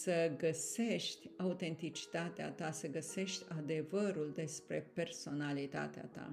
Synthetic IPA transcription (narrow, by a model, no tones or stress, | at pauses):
səɡəse̞ʃt̪ʲaut̪e̞nt̪it͡ʃi̥t̪at̪ea̰t̪asəɡəse̞ʃt̪ʲad̪e̞vəɾuld̪e̞spɾe̞pe̞rso̞nalit̪a̰t̪ea̰t̪a̰